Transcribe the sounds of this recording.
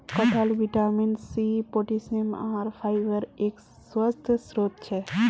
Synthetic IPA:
kəʈʰəlʋiʈaːmɪnsipoːʈisema̰ːɾpʰaːɪʋəɾeːk | swəst̪ʰsɾoːt̪̚t͡ʃʰɛ

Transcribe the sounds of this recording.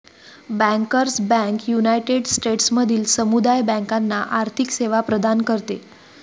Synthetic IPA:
bɛ̃ŋkəɾsbɛ̃ŋkjunajʈeɖsʈeʈsməd̪ʱiːlsəmud̪ajbɛ̃ŋkanːaʔaɾt̪ʰikseʋapɾəd̪ʱankəɾt̪e

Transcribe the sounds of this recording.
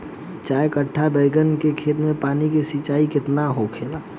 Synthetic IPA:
t͡ʃaːekəʈʰːabeɪɡənkekʰeːt̪mẽpaːnikesit͡ʃaːikɪt̪naɦokʰeːla

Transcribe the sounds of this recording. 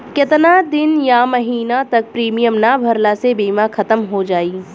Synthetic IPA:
kɪt̪nad̪ɪnjamɐɦiːnat̪ɐk̚pɾiːmijəmnabʱɐɾlasebiːmaxʰɐt̪əmɦod͡ʒaːiː

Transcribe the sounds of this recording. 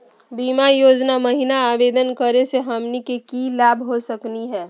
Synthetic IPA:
biːmajoːd͡ʒnamɐɦinaaːbeːd̪ənkəɾeseɦəmnikekilaːbʱɦosəkniɦɛː

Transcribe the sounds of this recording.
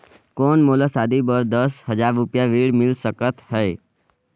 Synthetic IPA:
kɔːnmolasaːd̪ibəɾd̪əsɦəd͡ʒaɾɾupjaʋiɽmɪlsəkət̪ɦɛː

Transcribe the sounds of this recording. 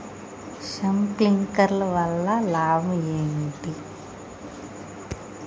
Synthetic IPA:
ʃɐmt̪iŋkɐɾlɐʋɐlːɐlaːmueːnt̪i

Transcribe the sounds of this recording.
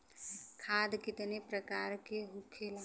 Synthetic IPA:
kʰaːd̪kɪt̪nepɾəkaːɾkeɦukʰːela

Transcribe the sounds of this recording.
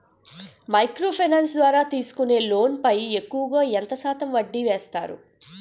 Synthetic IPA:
mɐjkɾo̞ːpʰɐnaːnsd̪ʋaːɾaːt̪iːsu̥kune̞ːlo̞ːnpɐjekːuʋɐɡaːent̪ɐsaːt̪ɐmʋɐɖːiʋeːst̪a̰ːɾṵ

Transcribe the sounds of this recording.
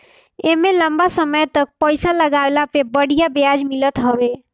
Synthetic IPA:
emeləmbasəməjt̪ək̚pəjsaləɡalapebəɽijabejad͡ʒmilət̪ɦəbe

